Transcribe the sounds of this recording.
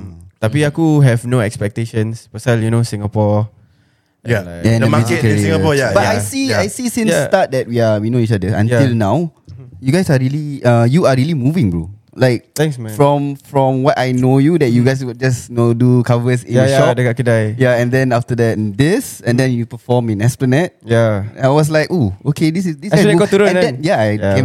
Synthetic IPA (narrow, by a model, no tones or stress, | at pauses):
t̪apiakuɦɛvnoɛkspɛk̚teʃə̃nspəsaljunosĩŋapɔ | ɛ̃dəmaikəĩŋapɔjabatajsiajsisĩnsːtat̚dɛt̚wiawinoit͡ʃadəʔə̰̃njɪlnawjuɡaɪsaɹiliʌjuaɹiəlimuvɪ̃ŋbɹṵ | laɪk̚t̪ɛ̃ŋsɛ̃fɹɔ̃mfɹɔ̃mwɔtajnojudɛt̚juɡajs̬wɪld͡ʒasjnodukavəsĩəjʃɔdəɡakədajjaɛ̃ndɛ̃naftədɛtdɪsɛ̃ndɛ̃njupəfɔmĩnɛsplənɛt̚jaaɪwɔs̬laɪkookʰedis̬ɪsdisakɔtuɾə̃ɛ̃ndɛ̃njaajẽ